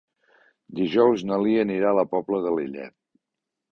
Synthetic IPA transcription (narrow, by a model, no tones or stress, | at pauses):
d̪iʒɔwznəliəniɾaləpɔbləðəliʎɛ̰t̪̚